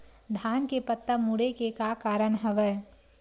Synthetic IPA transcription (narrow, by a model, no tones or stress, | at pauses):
d̪ʱaːnkepət̪ːəmuɽekekakaːɾəɽ̃ɦɐʋɛː